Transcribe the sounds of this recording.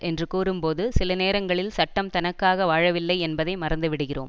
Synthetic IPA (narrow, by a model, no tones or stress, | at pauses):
ʔɛndrɯkuːɾɯmpoːðɯsɪlɐneːɾɐŋɡɐɭɪlsɐʈːɐmt̪ɐnɐkːaːɣɐʋaːɻɐʋɪlːɐɪɛnbɐðɐɪmɐɾɐnd̪ɯʋɪɽɯɣɪro̰ːm